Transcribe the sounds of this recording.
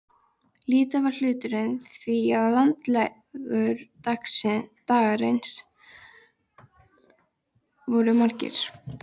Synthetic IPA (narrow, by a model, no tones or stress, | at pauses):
liːt̪avaɾ̥l̥ʏːt̪ʏɾɪnθviaðlant̪lɛ | ɣʏɾt̪aksɪt̪aːɣaɾejns | vɔɾʏmaɾcɪ̰ɾ̥